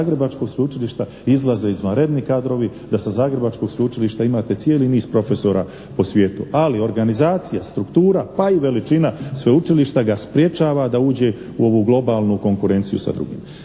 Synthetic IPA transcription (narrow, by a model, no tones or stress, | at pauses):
ɡɾe̞bat͡ʃko̞ɡspeut͡ʃiliʃt̪a | izlˠaze̞izʋanɾe̞d̪nikaːd̪ɾo̞ʋid̪asazaːɡɾe̞bat͡ʃko̞ɡspuut͡ʃiliʃt̪aimaːt̪e̞tsijeːliniːzpɾo̞fe̞so̞ɾa | po̞sʋʲje̞ːt̪ualio̞ɾɡanizaːt̪sijast̪ɾukt̪uːɾapaiʋe̞lit͡ʃinasʋeut͡ʃiliʃt̪aɡaspɾje̞t͡ʃaːʋad̪auːd͡ʑe̞ | uo̞ʋuɡlˠo̞baːlˠnuko̞ŋkuɾe̞nt̪sijṵsa̰d̪ɾṵɡḭːm